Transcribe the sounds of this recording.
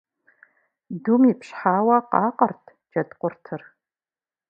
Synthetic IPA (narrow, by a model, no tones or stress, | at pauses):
dumipɕħaːwɐqɑːqʼɐrtʰ | d͡ʒɐdqʷʊrtʰɨr